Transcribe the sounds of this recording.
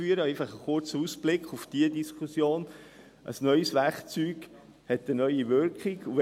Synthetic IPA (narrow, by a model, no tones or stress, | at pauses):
yːəɾəæɪfɑχəχʊɾt͡səusb̥lɪkχufd̥iədiskχusjoːn | ʔə̰snœʏsʋæɾkt͡syːɡ̥ | hɛtənœʏiʋʏɾkχiɡu